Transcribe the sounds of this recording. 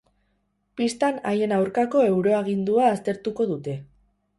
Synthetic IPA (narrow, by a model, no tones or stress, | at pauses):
pist̪anaje̞nawɾkako̞e̞wɾo̞aɣ̞ind̪uaːst̪e̞ɾt̪uko̞ðut̪e̞